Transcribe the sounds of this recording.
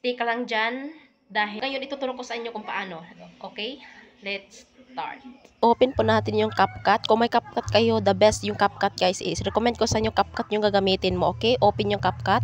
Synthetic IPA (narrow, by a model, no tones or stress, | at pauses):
t̪ikɐlaŋd͡ʒan | d̪aːɦɪŋɐjonʔɪt̪ut̪ʊɾokosɐʔɪɲɲokʊŋpɐʔaːno̞ʔokɛj | lɛt̪̚st̪a̰ɹt̪̚ʔoːpɛnpʊnaːt̪ɪnjʊŋkap̚kat̪̚kʊŋmɐjkap̚kat̪̚kɐjo̞d̪ɐbɛst̪jʊŋkap̚kat̪̚ɡajsʔɪsɾɛkomɛnd̪kosɐʔɪɲokap̚kat̪̚ɲʊŋkɐɡɐmiːt̪ɪnmoʔoːkɛjʔoːpɛnjʊŋkap̚kat̪̚